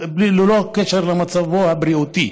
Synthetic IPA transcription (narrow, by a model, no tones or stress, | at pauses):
blilolokeʃeɾlemat͡savohabɾiut̪i